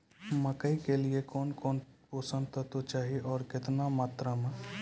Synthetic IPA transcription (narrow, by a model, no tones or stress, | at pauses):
məkəikeliekɔːnkɔːnpoːsə̃nt̪ət̪ot͡ʃaːɦiʔɔːɾkɪt̪namaːt̪ɾəm